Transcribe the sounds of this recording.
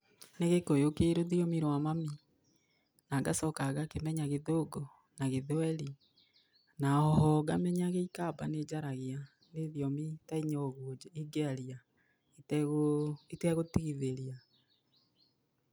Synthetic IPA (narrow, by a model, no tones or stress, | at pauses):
neɣekojokeɾoðiɔmiɾwamami | naɡasɔkaɣakemɛɲaɣeðoɡɔ | naɣeðwɛɾi | naɔhɔɣamɛɲaɣeikaːbaned͡ʒaɾaɣea | neðiɔmitaiɲɔɣiɡeaɾia | ɣitɛɣotiɣiðeɾja